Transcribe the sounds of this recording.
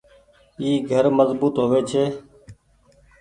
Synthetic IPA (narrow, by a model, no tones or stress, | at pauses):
iːɡʱəɾməzbuːt̪ɦoːʋeːt͡ʃʰeː